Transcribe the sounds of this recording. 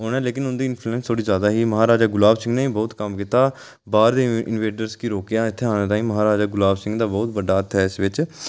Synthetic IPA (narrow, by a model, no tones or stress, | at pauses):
oːnɛːleːkɪnʊnd̪iːɪnpʰluɛ̃ːnst̪ʰoːɽiːzjaːd̪aːɦiːməɦaːɾaːd͡ʒaːɡʊlaːbsɪ̃ŋɡnẽːiːbɔːt̪kəmkiːt̪aː | baːɾd̪eːɪ̰nʋeːʈəɾskiːɾoːkjãːɪt̪ʰːeːɦaːɽ̃ẽːt̪aːĩːməɦaːɾaːd͡ʒaːɡʊlaːbsɪ̃ŋɡd̪aːbɔːt̪bəɖaːət̪ʰːɛːɪsʋɪt͡ʃ